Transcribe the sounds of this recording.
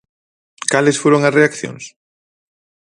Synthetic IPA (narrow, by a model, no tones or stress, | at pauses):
kalɪsfoɾoŋɐsreakθjo̰ŋs